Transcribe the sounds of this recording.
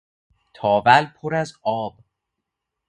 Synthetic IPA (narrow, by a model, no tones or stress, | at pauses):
t̪ʰɒːvælpʰoɾæzɒːb̥